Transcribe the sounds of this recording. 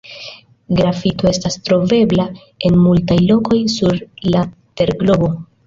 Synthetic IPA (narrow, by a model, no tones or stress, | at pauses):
ɡɾafito̞e̞stastɾo̞ve̞bla | e̞nmultajlo̞ko̞jsuɾla | te̞ɾɡlo̞bo̞